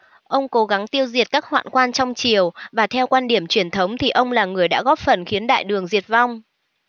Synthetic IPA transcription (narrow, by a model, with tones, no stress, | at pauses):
ʔə˧wŋ͡mko˨˦ɣa˨˦ŋt̪i˧əwzi˨˩ət̚kaː˦˥k̚hwa̰ː˧˨nkwaː˧nt͡ɕɔ˧wŋ͡mt͡ɕi˨˩əwvaː˨˩t̪ʰɛ˧wkwaː˧nɗi˧˩əmt͡ɕwi˧˩ənt̪ʰə˨˦wŋ͡mt̪ʰi˨˩ʔə˧wŋ͡mlaː˨˩ŋɨ˨˩əjɗa̰ː˧˥ɣɔ˦˥p̚fə˨˩nxi˨˦ənɗa̰ː˧˨jɗɨ˨˩əŋzi˨˩ət̚va˧wŋ͡m